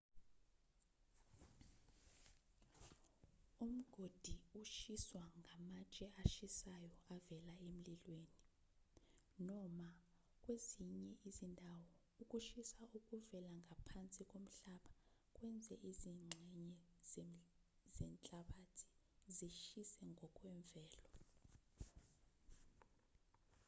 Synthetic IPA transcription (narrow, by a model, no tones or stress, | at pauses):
um̩ɡ̥ʱod̥ʱiuʃiswaŋʱamat͡ʃʼɛaʃisajɔavɛlaem̩lilweːni | nɔma | k̬ʼweziɲɛʔizindʱawɔ | uk̬ʼuʃisauk̬ʼuvɛlaŋapʰant͡sʼik̬ʼom̩ɬaɓakʼwɛnd͡zʱɛʔiziŋ͡ǀʱɛɲɛz | zɛnt͡ɬʼaɓatʰi̥ | ziʃisɛŋʱɔkʼwɛɱvɛːlɔ